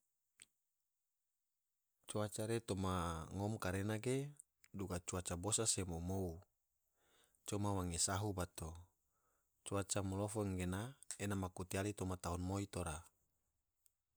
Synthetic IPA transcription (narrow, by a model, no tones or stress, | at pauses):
t͡ʃuat͡ʃaɾet̪omaŋomkaɾenaɡe | duɡat͡ʃuat͡ʃabosasemomou | t͡ʃomawaŋesaɦubat̪o | t͡ʃuat͡ʃamolofoŋɡenaenamakut̪ialit̪omat̪aunmoit̪oɾa